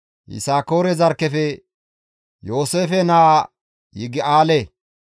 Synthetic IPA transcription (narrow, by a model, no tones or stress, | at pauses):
ʔɪ̰saːko̞ːɾɛzɐɾkːɛfɛ | joːseːfɛnaː | jɪɡɪaːle